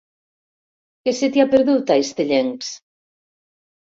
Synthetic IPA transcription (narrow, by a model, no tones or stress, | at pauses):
keset̪japeɾðut̪aest̪eʎeŋs